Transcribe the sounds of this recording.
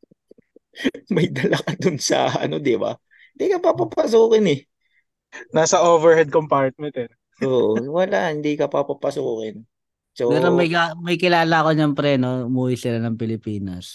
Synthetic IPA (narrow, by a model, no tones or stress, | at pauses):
mɐjd̪ɐlɐkɐd̪ʊnsɐ̰ɐ̰nod̪ɪba̰ | hɪnd̪ikɐpapapɐs̬uːkɪnɛ | naːsɐʔoːvɛɹhɛd̪̚kompaɹt̪̚mɛnt̪ɛ | ʔoːʔowɐla̰ʔhɪnd̪iːkɐpapapɐsuːkɪn | soɐnonmɐjkamɐjkɪlaːlɐɐko̞ɲɐŋpɾɛːno̞ʊmuːhɪsɪlanɐŋpɪlɪpiːnɐ̰s